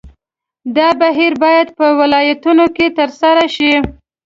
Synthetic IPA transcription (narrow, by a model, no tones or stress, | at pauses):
d̪ɑbaɦiɾbɑjad̪̚pəwɪlɑjat̪unoket̪əɾsaɾaʃi